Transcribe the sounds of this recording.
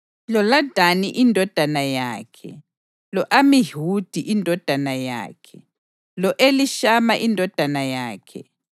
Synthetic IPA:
lɔlad̥ʱaniʔindʱɔd̥ʱanajaːkʰɛ̰ | lɔʔamiɦud̥ʱiʔindʱɔd̥ʱanaja̰ːkʰɛ | lɔʔeliʃamaʔindʱɔd̥ʱanajaːkʰɛ̰

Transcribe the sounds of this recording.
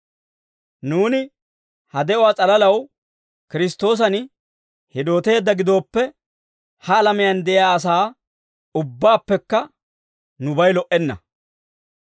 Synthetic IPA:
nuːnɪ | hɐd̪ɛʔʊwaːt͡sʼɐlɐlɐw | kɪɾɪst̪o̞ːs̬ɐn | hɪd̪o̞ːt̪e̞ːd̪ːɐɡɪd̪o̞ːpːɛ | hɐːlɐmɪjɐnd̪ɛʔɪjaːɐs̬aː | ʊbːaːpːɛkːɐ | nʊbɐjlɔʔɛnːɐ̰

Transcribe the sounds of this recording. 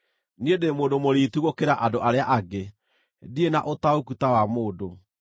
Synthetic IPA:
niedemoːndomoɾiːtuɣokeɾaʔadoʔaɾeaʔaɡe | dienaʔotaokutawamoːdo

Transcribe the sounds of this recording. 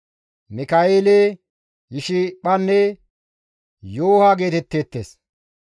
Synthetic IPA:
mɪkaeːleː | jɪʃɪɓɐnːɛ | joːhaɡe̞ːt̪ɛt̪ːeːt̪ːeːs

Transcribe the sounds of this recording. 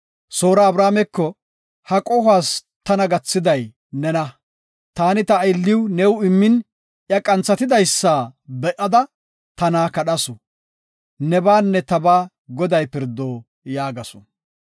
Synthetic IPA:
soːɾaːbɾaːmɛkːɔ | hɐkʼɔhaːs | t̪ɐnɐɡɐt͡sːɪd̪ɐj | nɛnɐ | t̪aːnɪt̪ɐːjɪlːɪwnɛwɪmːɪn | ʔjɐkʼɐnt͡sːɐt̪ɪd̪ɐjsːaːbɛʔɐd̪ɐ | t̪ɐnaːkɐɗɐsɔ | nɛbaːnːɛt̪ɐbaː | ɡɔd̪ɐjpɪɾd̪oː | jaːɡɐsɔ̥

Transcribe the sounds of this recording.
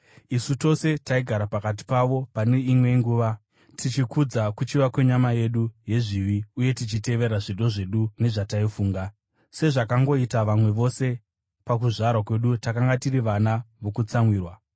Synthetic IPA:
isuto̞se̞taiɡʱaɾapakat̬i̥paʋo̞pane̞imwe̞ŋɡuːʋa | tʰit͡ʃikud͡zakut͡ʃiʋakwe̞ɲamaje̞ɗuje̞ʐiʋiuje̞tit͡ʃite̞ʋe̞ɾaʐiɗo̞ʐe̞ɗune̞ʐataifuːŋɡa | se̞ʐakaŋɡo̞itaʋamwe̞ʋo̞se̞ | pak̬uʐaɾwakwe̞ɗutakaŋɡatiriʋanaʋo̞kut͡samwiːrwa

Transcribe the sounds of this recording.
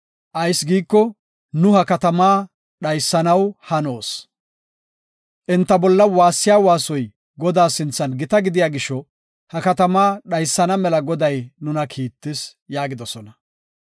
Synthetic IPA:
ʔɐjsɡiːkːɔ | nʊhɐkɐt̪ɐmaː | ɗɐjsːɐnɐwhɐno̞ːs | ʔɪnt̪ːɐbɔlːɐwaːsːɪjaːwaːsɔj | ɡɔd̪aːsɪnt͡sːɐnɡɪt̪ɐɡɪd̪ɪjaːɡɪʃɔ | hɐkɐt̪ɐmaːɗɐjsːɐnɐmɛlɐɡɔd̪ɐjnʊnɐkʰiːt̪ːɪsjaːɡɪd̪ɔsɔnɐ

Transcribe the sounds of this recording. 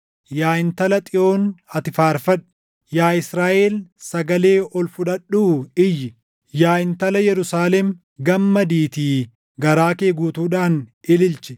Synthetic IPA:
jaːɪnt̪ɐlɐt̪ʼɪo̞ːnɐt̪ɪfaːɾfɐᶑʊ̥ | jaːɪsɾaːʔeːlsɐɡɐle̞ːɔlfʊᶑɐɗːuːɪjːɪ | jaːɪnt̪ɐlɐjɛɾʊsaːlɛm | ɡɐmːɐd̪iːt̪iː | ɡɐɾaːkeːɡuːt̪uːᶑaːnɪlɪlt͡ʃɛ

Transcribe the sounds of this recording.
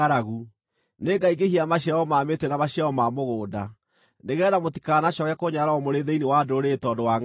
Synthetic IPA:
aɾaɣu | neːɡaiɡehiamaɕaɔmaːmetenamaɕaɔmamoɣoːda | neɣɛːðamotikanaɕɔkɛkoɲaɾaɔmoɾeðeinewadooɾetɔːdowaŋ

